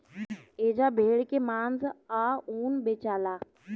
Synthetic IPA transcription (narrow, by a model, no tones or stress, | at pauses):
eːd͡ʑabʱeːɭkemaːnzaːuːnbeːt͡ʃaːlaː